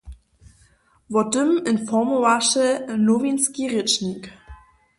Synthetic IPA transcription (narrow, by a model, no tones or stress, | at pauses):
vɔtəmɪnfɔmɔvaʂɛnovinskʲiʁɪt͡ʂnik